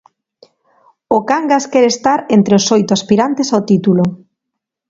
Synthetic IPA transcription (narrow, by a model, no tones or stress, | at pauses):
ʊkaŋɡaskɛɾest̪aɾent̪ɾeosojt̪ʊaspiɾant̪esaot̪it̪ulo